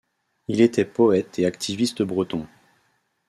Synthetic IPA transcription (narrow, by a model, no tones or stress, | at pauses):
ilet̪ɛpɔɛt̪eakt̪ʰivist̪əbʁət̪ɔ̃